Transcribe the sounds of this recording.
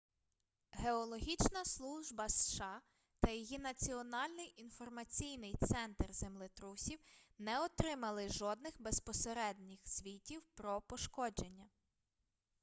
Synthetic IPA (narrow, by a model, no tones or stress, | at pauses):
ɦeɔlˠɔɦʲit͡ʃnɐslˠuʒbɐsʃɑ | t̪ɐjɔjinɐt͡sʲiɔnɑlʲnɪjʔinfɔrmɐt͡sʲijnɪjt̪sɛnt̪rzemlˠɪt̪ɾusʲiwnɛɔt̪ɾɪmɐlˠɪʒɔd̪nɪxbespɔseɾɛd̪ʲnʲɪxsʲʋʲitʲiwpɾɔpɔʃkɔd͡ʒenʲːɐ